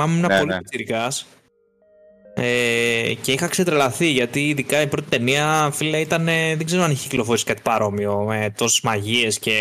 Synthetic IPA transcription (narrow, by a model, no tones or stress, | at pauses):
ɐmnɐpolisiɾikɐs | ece̞ixɐkset̪ɾelɐθiʝɐt̪iːðikɐipɾo̞t̪i̥t̪e̞niɐfilɐit̪ɐne̞ðeɡze̞ɾoɐniçeicilo̞foɾisikɐat̪i̥pɐɾo̞mio̞me̞t̪o̞sezmɐʝie̞sce̞